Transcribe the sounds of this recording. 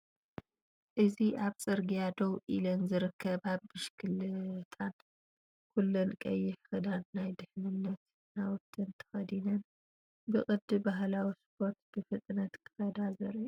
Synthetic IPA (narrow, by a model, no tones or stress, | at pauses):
ʔɨziʔaβt͡sʼɨɾɡijad̪owʔilɐnzɨɾɨkʰːɐbhaβːɨʃkʰɨlɨt̪ʰan | kʰulːɐnkʼɐjːɪħxɨd̪anːajd̪ɨħnɨnːɐt̪ | nawt̪ʰːɨnt̪ʰɐ̥xɐd̪inɐn | bɨkʼɨd̪ːɨbaɦlawispʰo̞ɾt̪b̥ɨfɨt̪ʼnɐt̪kʰɨ̥xɐd̪azɐɾij